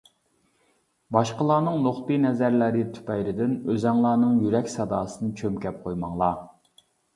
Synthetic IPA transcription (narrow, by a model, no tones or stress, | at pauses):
bɑʃqəlˠɑːnɨŋnoχt̪ɨnɛzæɾlæɾɪt̪ʰy̥pɛjɾɪd̪ɪnøzɛŋlˠɑːnɨŋjyɾɛkʲsɑd̪ɑːsɨnɨt͡ʃʰømkʲɛp̚qʰojmɑŋlˠɑ